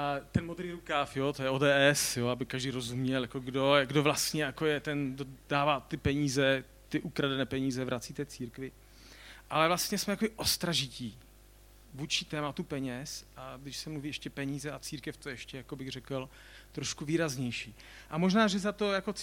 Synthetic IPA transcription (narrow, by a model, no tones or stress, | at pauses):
t̪ɛnmod̪ɾiːɾukaːfjot̪ojɛoːdɛːʔɛsjoabɪkaʒdiːɾo̞zumɲɛljako̞ɡdo̞ɡdovlast̪ɲɛjako̞jɛt̪ɛndodaːvaːt̪ɪpɛɲiːzɛ | t̪ɪʔukɾadɛnɛːpɛɲiːzɛvɾʔat͡siːt̪ɛːt͡siːɾkvɪ | ʔalɛvlast̪ɲɛsmɛj̪akobɪʔost̪ɾaʒɪciː | vuːt͡ʃɪt̪ɛːmat̪upɛɲɛsʔaɡdɪʃsɛmluviːɛʃcɛpɛɲiːzɛat͡siːɾkɛft̪o̞jɛɛʃcɛjakobɪɣr̝ɛkl | t̪ɾoʃkuviːɾazɲɛjʃiː | ʔamoʒnaːʒɛzat̪o̞jako̞t͡s